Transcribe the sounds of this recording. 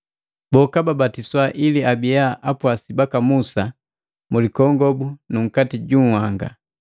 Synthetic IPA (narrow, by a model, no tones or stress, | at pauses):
bɔkababatiswaʔiliabijaʔapwasibakamusa | mulikɔŋɡɔbunuŋ̩katiɟuŋ̩hwaŋɡa̰